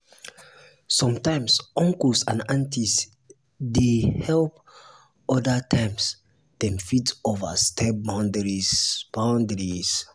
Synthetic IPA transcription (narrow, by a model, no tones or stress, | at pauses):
sɔ̃mtãjmsɔ̃ŋkulsãnãntis | dehɛlp̚ | ɔdatʰãɪms | d̥ɛ̃mfitova̰stʰɛp̚bãʊndɹib̥ãʊndɹis